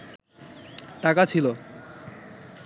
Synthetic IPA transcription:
ʈakat͡ɕʰilo

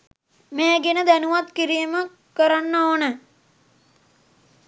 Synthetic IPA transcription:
meːɡenəd̪ænuʋat̪kiɾijəmə | kəɾanːoːnə

